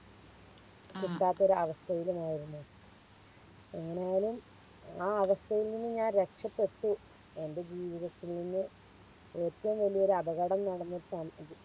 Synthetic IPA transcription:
t͡ɕuɳɖaːt̪ːoɾuɐʋɐst̪ʰɐjilumaːjiɾunːu | eŋːɐnejjaːlum | aːɐʋɐst̪ʰɐjilninːɨɲaːnɾe̞kʂɐpːe̞ʈːu | e̞nde̞d͡ʑiːʋiðɐt̪ːilninːɨ | o̞ːt̪ːɐʋumʋɐlijɐo̞ɾuɐbɐɣɐɽɐmnɐɽɐnːɐsɐm

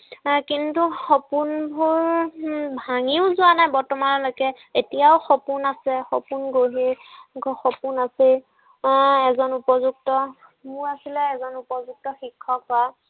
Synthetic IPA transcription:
kintuxopunbʱuɹ | bʱaŋiʊzʊanajbɔɹtɔmanɔlojkɛ | etijaʊxɔpunasɛxɔpunɡoɦiɡɔxɔpunasi | ɛzɔnupɔzuk̚tɔ | mʊɹasilɛɛzɔnupɔzuk̚tɔxikʰːɔkɔa

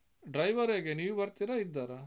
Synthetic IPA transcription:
ɖɾɐjʋɐɾeɡeniːʋubɐɾt̪iɾɐid̪ːaːɾɐ

